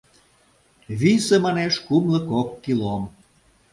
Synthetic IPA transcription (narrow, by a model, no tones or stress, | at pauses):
βisemɑneʃkumləkokːilom